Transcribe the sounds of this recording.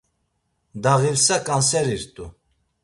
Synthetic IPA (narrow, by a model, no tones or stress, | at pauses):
d̪aɣiɾsakʼansɛɾiɾt̪ʼu